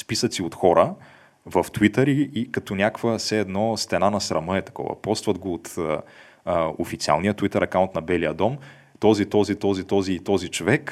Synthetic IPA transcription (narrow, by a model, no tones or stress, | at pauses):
spisət̪siot̪xɔɾə | vɐft̪wit̪əɾiikɐt̪ɔnʲakvəsɛːd̪nɔst̪ɛnanɐsɾɐməɛt̪ɐ̥kɔ̰vɐ̰pɔst̪vɐd̪ɡoːt̪ː | ofit̪sia̰lˠnijət̪wit̪ɛɾɐkaʊnt̪nɐbɛlijəd̪ɔm | t̪ɔzit̪ɔzit̪ɔzit̪ɔziːt̪ɔzit͡ʃovɛk